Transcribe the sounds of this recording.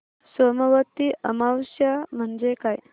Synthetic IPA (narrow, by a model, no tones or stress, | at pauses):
səməʋət̪iʔəmawsjam̤əɳd͡zekaj